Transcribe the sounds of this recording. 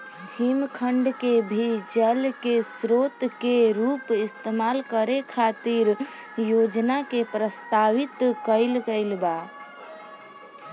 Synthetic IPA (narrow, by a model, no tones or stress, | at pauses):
himkʰəɳɖkebʱid͡ʒəlkesɾot̪keɾupɪst̪emalkəɾekʰat̪iɾjod͡ʒnakepɾəst̪aʋit̪kəɪlkəɪlba